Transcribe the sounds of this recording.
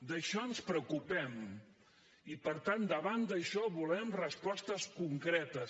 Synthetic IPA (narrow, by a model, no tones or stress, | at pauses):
d̪əʃɔənspɾəwkupɛm | ipəɾt̪and̪əβand̪əʃɔβulɛmrəspɔst̪əskuŋkɾɛt̪əs